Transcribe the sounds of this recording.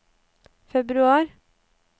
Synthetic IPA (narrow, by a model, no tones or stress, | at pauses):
fɛbɾʉɑːɾ